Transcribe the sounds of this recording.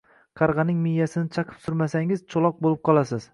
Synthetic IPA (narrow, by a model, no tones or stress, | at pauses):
qʰɑɾʁɑnɪŋmɪjːasɪnɪt͡ʃʰɑqʰɨ̥psʊɾmasaŋɪzt͡ʃʰolˠɒq̚bolˠɪp̚qʰɒlˠasɪz̥